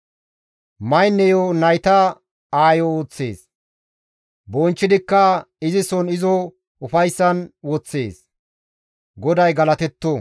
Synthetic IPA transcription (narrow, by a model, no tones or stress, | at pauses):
mɐjnːɛjonɐjt̪ɐ | aːjɔːt͡sːe̞̰ːs | bɔnt͡ʃːɪd̪ɪkːɐ | ɪzɪsɔnɪzɔ | ʊfɐjsːɐnwɔt͡sːe̞̰ːs | ɡɔd̪ɐjɡɐlɐt̪ɛt̪ːo